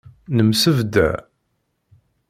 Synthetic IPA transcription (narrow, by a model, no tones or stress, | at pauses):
nəmsəvd̪æ̰